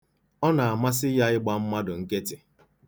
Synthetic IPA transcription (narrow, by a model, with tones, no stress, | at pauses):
ɔ˦na˨a˨ma˦s̬ɪ˦ja˦ɪ˦ɡ͡ba˦m̩˦ma˦dʊ˨ŋ̩˦ke˦tɪ˨